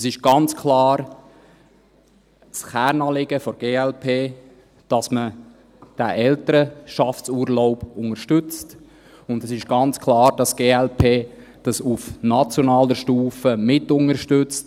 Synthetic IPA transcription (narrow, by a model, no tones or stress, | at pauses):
sɪʃɡ̥ɑnt͡skʰlɑːɾ | sχæːɾnɑːlɪɡ̥əfɔɡ̥eːɛlpʰeː | d̥ɑsmə | d̥æʔɛltəɾəʃɑftt͡suːɾloʊb̥ʊŋəɾʃtʏt͡st | ʊndɛsɪʃɡ̥ɑnt͡skʰlɑːɾd̥ɑsɡ̥eːɛlpʰeː | d̥ɑsufnɑt͡sjonɑːləʃtuːfəmɪtʊŋəɾʃtʏt͡st